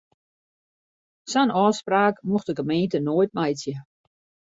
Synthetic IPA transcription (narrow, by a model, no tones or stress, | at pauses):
sanɔːspraːkmuxdəɡəmeːntənoːjt̚majsjə